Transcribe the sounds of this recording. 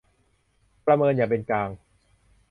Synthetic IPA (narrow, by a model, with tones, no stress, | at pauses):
pɾa˧mɤː˧njaː˨˩pe˧nkaː˧ŋ